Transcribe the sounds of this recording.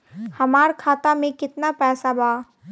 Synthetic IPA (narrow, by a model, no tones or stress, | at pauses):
hɐmaːɾkʰaːt̪amẽkɪt̪napɛːsabaː